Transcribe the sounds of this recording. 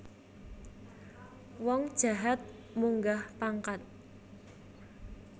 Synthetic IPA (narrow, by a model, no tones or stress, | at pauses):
wɔŋd̥ʒ̥a̤ɦat̪̚ | muŋɡahpaŋkat̪̚